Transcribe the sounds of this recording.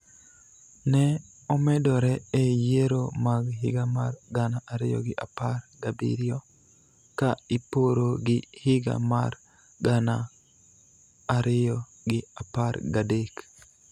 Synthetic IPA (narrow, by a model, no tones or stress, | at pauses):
nɛ | ɔmɛdɔɾɛɛjeɾomaɡɦɪ̰ɡamarɡanaʔaɾɪjɔ̰ɡɪʔapaɾɡabḭɾjɔ | kaipoɾoɡɪhɪɡa̰mar | ɡana | ɾɪjɔ | ɡɪapaɾɡadek